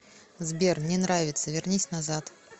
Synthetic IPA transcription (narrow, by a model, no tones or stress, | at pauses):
zbʲermnʲɛnɾavʲɪt̪səvʲɪrnʲisʲnɐzat̪